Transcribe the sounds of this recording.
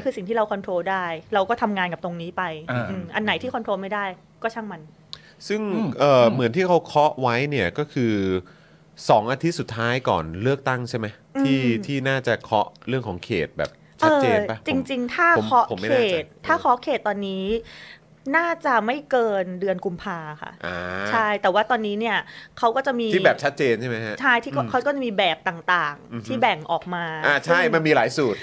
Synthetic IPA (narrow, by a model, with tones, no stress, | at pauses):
kʰɯː˧si˨˩ŋt̪ʰiː˥˩ɾa˧wkʰɔ˧nt̪ʰɾoː˧daː˥˩jɾa˧wkɔː˥˩t̪ʰa˧mŋaː˧nka˨˩p̚t̪o˧ŋniː˦˥pa˧jʔɯː˧mʔa˧nːa˨˩˦jt̪ʰiː˥˩kɔ˧nt̪ʰɾoː˧ma˥˩jdaː˥˩j | kɔː˥˩t͡ɕʰa˥˩ŋma˧n | sɯ˥˩ŋʔɤː˨˩mɯ˩˦ənt̪ʰiː˥˩kʰa˦˥wkʰɔ˦˥ʔwa˦˥jni˥˩ɐkɔː˥˩kʰɯː˧ | sɔː˩˦ŋʔaː˧t̪ʰi˦˥t̪̚su˨˩t̪ʰːaː˦˥jkɔ̰ː˨˩nlɯ˥˩ək̚t̪a˥˩ŋt͡ɕʰa˥˩jma˦˥j | t̪ːʰiː˥˩t̪ʰiː˥˩naː˥˩t͡ɕa˨˩kʰɔ˦˥ʔɾɯ˥˩əŋkʰɔː˩˦ŋkʰḛː˨˩t̪̚bɛ̰ː˨˩p̚ | t͡ɕʰʔɤt̪̚ːt͡ɕeː˧na˦t͡ɕi˧ŋt͡ɕi˧ŋt̪ʰaː˥˩˨mʰɔ˦˥ʔʰo˨˦kːma˥˦eː˥˨˩t̪̚ʰːaː˥˩kʰɔ˦˥ʔkʰeː˨˩t̪̚ːɔː˧nːiː˦˥ | naː˥˩t͡ɕa˨˩ma˥˩jkɤː˧ndɯ˧ənku˧mpʰaː˧xʰa̰˥˩ʔa̰˧t͡ɕʰa˥˩jt̪ɛː˨˩waː˥˩t̪ɔː˧nːiː˦˥ni˥˩ɐkʰa˦˥wkɔː˥˩t͡ɕa˨˩miː˧iː˧bɛː˨˩p̚t͡ɕʰa˦˥t̪̚t͡ɕeː˧nt͡ɕʰa˥˩ma˦˥jkʰa˦˥ʔt͡ɕʰa˥˩j̪ʰiː˥˩kɔ˥˩kʰa˦˥wkɔ˥˩t͡ɕa˨˩miː˧bɛː˨˩p̚t̪aː˨˩ŋt̪aː˨˩ŋʰ˧iː˥˩bɛ˨˩ŋʔɔː˨˩k̚maː˧ʔaː˧˩t͡ɕʰa˥˩jma˧nmiː˧laː˩˦jsuː˨˩t̪̚